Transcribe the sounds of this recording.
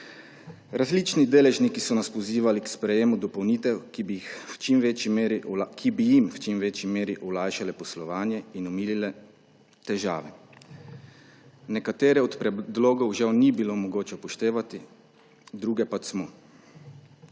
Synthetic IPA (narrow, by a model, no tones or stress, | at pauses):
ɾazlit͡ʃnid̪eːlɛʒnikisɔnaspɔziːʋalikspɾɛjeːmud̪ɔpɔwniːt̪ɛwkibixwt͡ʃimʋeːt͡ʃimeɾikʰibijimwt͡ʃimʋeːt͡ʃimeːɾiʔulaːjʃalɛpɔslɔʋaːnjɛinɔmiːlilɛ | t̪ɛʒa̰ːʋɛ | nɛkat̪eːɾɛɔt̪pɾɛd̪loːɡɔwʒawnibilomɔɡoːt͡ʃɛpɔʃt̪eːʋat̪i | d̪ɾuːɡɛpat͡ʃsmɔ